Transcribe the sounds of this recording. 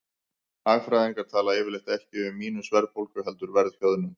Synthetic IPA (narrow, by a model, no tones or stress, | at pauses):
aːɣfɾajðiŋkaɾ̥t̪ʰaːlaɛːvɪlejht̪aɛhcɪʏmːiːnʏsvɛɾðfowlkʏɦɛlt̪ʏɾvɛɾðhjœðʏnʏm